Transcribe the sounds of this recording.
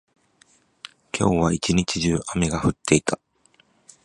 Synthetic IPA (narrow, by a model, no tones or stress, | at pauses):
kʲʰo̞̰ːβait͡ɕiɲ̟it͡ɕiʑɨːʔame̞ɡaɸɯ̟t̪ːe̞it̪a